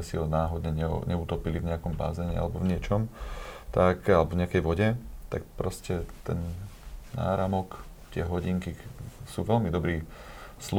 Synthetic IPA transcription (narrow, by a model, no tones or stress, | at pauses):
ɛsiɦɔnaːɦɔd̪ɲɛɲɛɲɛuːt̪ɔpilivɲɛakɔmba̰ːzɛɲɛ̰a̰lɛbɔvɲɪɛt͡ʃɔmt̪akalɛbɔvɲɛakɛjʋɔɟɛt̪a̰k̚pɾɔscɛt̪ɛnː | a̰ːɾamɔk | t̪ɪɛɦɔɟiŋkisuːʋɛlmid̪ɔbɾiːsl